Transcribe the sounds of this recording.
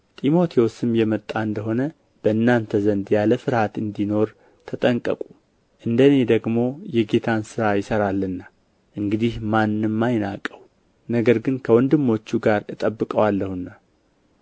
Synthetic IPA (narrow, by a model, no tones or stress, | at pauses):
t̪ʼimo̞t̪ʰewosɨmjɛmət̪ʼːaɨnd̪əɦo̞nə | b̥əɨnːant̪ʰəzənd̪jaləfɨɾhat̪ɨnd̪ino̞ɾ | t̪ʰət̪ʼəŋkʼəkʼu | ʔɨnd̪əne̞d̪əɡmo̞jɛɡe̞t̪ʰansɨɾajɪsəɾalːɨnːa | ʔɨŋɡɨd̪ihmanːɨmːajna̰kʼːəw | nəɡəɾɡɨnkʰəwɔnd̪ɨmːo̞t͡ʃːuɡaɾɨt̪ʼəbːɨkʼəwalːəhunːa